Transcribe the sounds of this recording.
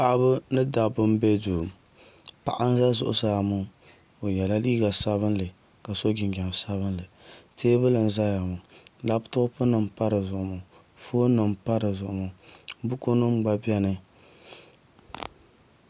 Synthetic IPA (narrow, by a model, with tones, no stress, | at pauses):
pa˨ʔbɨ˦nɨ˦da˨bɨ˦m˦be˦du˨ | pa̰˨ʔa˦n˦za˦zʊ̰˨ʔʊ̰˦saː˨mʊ˦ | o˨jɛ˨la˦liː˦ɡa˨sa˦βɨ˦nlɨ˨ | ka˨so˦ɡɪ˨ŋɡa˨sa˦βɨ˦nlɨ˨teː˦bɨ˦lɨ˨n˨za˦ja˨mʊ˨la˦btʊ˦pɨ˦nɨ˨mpa˦ɾɨ˨zʊ˨ʔʊ˨mʊ˨ | fo˦nɨ˨mpa˦ɾɨ˨zʊ˨ʔʊ˨mʊ˨bu˦ko˦nɨ˦m˦ɡ͡ba˦bi˦ɛ˦nɨ˦